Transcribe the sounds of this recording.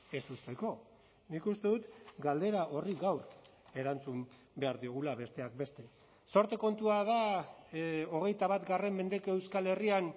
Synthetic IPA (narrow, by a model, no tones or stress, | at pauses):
e̞sust̪e̞ko̞ | nikust̪e̞ðut̪ɡald̪e̞ɾaʔo̞riɣawɾ | e̞ɾant͡sum | be̞aɾðio̞ɣ̞ulaβe̞st̪e̞ak̚be̞st̪e̞ | so̞ɾt̪e̞ko̞nt̪uaða | o̞ɣ̞e̞jt̪aβ̞at̪ɡare̞mme̞nd̪e̞koe̞wskale̞rian